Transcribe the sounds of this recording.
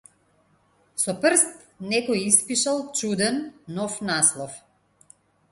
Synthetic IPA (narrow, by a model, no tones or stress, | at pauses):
sɔprst̪̚ | nɛkɔjispiʃalˠt͡ʃud̪ɛnːɔfnaslˠɔf